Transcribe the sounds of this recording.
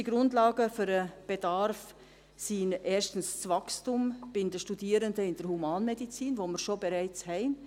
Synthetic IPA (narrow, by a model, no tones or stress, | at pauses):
iɡ̥ɾʊndlɑːɡəfʏɾəb̥edaɾf | sinʔeːʃtn̩st͡svɑkstumb̥ɪndəʃtudiːɾəndəɪnd̥əɾhumɑːnmedit͡siːnvoməɾʃobeɾæɪt͡shɛɪn